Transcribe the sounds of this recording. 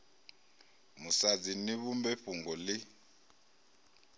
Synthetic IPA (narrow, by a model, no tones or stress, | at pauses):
musad͡ziniβumbɛɸuŋɡɔli